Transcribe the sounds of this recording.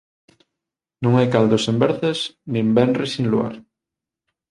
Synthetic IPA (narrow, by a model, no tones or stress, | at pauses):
nũŋajkald̪osembɛɾθesnĩmbɛnresĩnlua̰ɾ